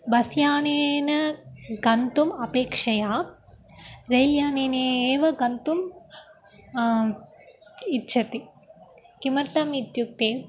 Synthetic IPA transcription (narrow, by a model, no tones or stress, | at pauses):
bɐsjaːneːnɐɡɐnt̪umɐpeːkʂɐjaː | ɾɐjljaːneːneːʋɐɡɐnt̪um | itːʃʰɐt̪i | kimɐɾt̪ɐmit̪juk̚t̪eː